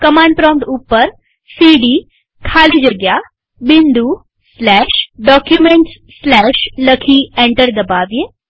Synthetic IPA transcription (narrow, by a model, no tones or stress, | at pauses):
kəmãːɳɖ̚pɾɔ̃ːmʈupːəɾ | siːɖiː | kʰaːlid͡ʒəɡjaː | bɪ̃nd̪uː | slɛːʃɖɔːkjumẽɳʈs | slɛːʃləkʰiːẽɳʈəɾd̪ɐbaːʋije